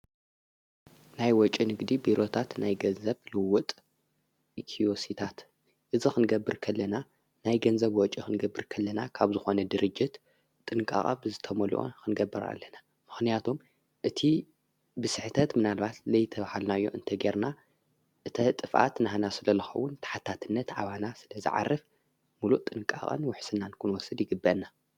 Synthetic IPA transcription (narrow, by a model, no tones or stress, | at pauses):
najwɔt͡ʃʼinɨɡd̪ibiɾo̞t̪ʰat̪najɡɐnzɐβlɨwʊt̪ʼ | ikʰiosit̪ʰat̪ | ʔɨzixɨnɨɡɐbːɨɾkʰɐlːɐna | najɡɐnzɐβwɔt͡ʃʼixɨnɡɐbːɨɾkʰɐlːɐnakʰaβzɨxo̞nɐd̪ɨɾɨd͡ʒːɪt̪ʼː | ɨnɨkʼa̰χʼa̰bɨzɨt̪ʰɐmɐlṵʔo̰nkʰɨnɡɐbːɨɾa̰lːɐna | mɨxnijat̪ʰom | ʔɨt̪ʰi | bɨsɨħt̪ʰɐt̪mɨnalβat̪lɐjt̪ʰɐβahalnajːo̰ʔɨ̰nt̪ʰɐɡeɾna | ʔɨt̪ʰɐt̪ʼɨfʔa̰t̪naɦanasɨlɐlɨxɐ̰wːʊnt̪ʰḁħat̪ʰːat̪ʰɨnːɐt̪ʕaβanasɨlɐzɨ̰ʕa̰rːɨf | muluʔt̪ʼɨnkʼa̰χʼɨ̰nwʊħsɨnːankʰɨnwɔsɨd̪jɪɡɨbːɐnːa